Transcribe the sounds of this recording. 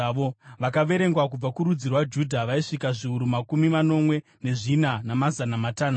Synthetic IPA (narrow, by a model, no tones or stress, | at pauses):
ʋoʋakaʋe̞ɾe̞ŋɡwak̬ub͡vakuɾud͡zirwad͡ʒudʱaʋaiʂikaʐiuɾumakumimano̞mwe̞ | ne̞ʐinanamazanamataːna